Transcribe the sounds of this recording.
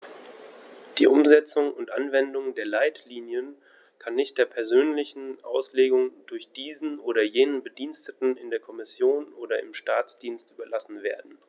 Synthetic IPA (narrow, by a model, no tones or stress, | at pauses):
d̥ḭːʔʊmzɛt͡sʊŋʊntʔa̰nvɛndʊŋdeːɐlaɪtliːnjən | kʰanːɪçt̚d̥eːɐpʰɛɐzøːnlɪçn̩ʔa̰ʊsleːɡʊŋdʊɐçd̥iːzn̩ʔoːɾɐjeːnənbədiːnstətn̩ɪndeːɐkʰɔmɪsjoːnʔoːdɐɪ̰mʃtaːt͡sd̥iːnstʔyːbɐlasn̩veːɐdn̩